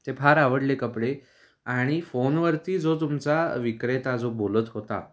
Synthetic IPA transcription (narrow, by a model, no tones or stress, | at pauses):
t̪epʰaɾaʋəɽlekəpɽe | aɽ̃ifonʋəɾt̪iːd͡zot̪̬umt͡saʋikɾet̪ad͡zobolət̪ɦot̪a̰